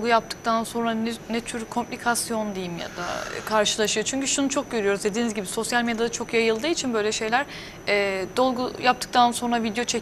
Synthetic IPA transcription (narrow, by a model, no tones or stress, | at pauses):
ɡujap̚t̪ʰɯ̥k̚t̪ʰanso̞nɾanɛnɛt̪ʰyɾkʰo̞mplʲikʰasjo̞nd̪ejimja̰d̪a̰kʰaɾʃɯlˠaʃɯjo̞t͡ʃʰyɲcyʃunut͡ʃʰo̞k̚ɟøɾyjo̞ɾuzd̪e̞d̪iːnizɟibiso̞sjalʲme̞d̪jad̪at͡ʃʰo̞kjajɯlˠd̪ɯːit͡ʃʰinbø̞jlʲɛʃe̞jlʲæɾ̥ | ɛːd̪o̞lˠɡujapt̪ʰɯ̥k̚t̪ʰanso̞nɾavid̪ejot͡ʃʰe